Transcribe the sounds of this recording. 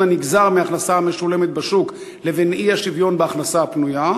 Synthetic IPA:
aniɡzaʁmeaχnasaame̞ʃule̞met̪̚baʃuk | levenʔiaʃivjo̞nbeaχnasaapnuja

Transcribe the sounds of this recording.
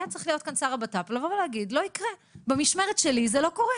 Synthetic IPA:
jat͡sʁiχlijo̞t̚kansaʁabataplavovlehaɡidlo̞ikʁebemiʃmeʁetʃelizelo̞ko̞ʁe

